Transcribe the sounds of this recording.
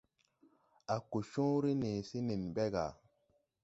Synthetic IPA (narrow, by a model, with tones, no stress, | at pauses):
a˨ku˨ʃũ˦ɾi˦ni˨si˦ni˨nbe˦ɡa̰˨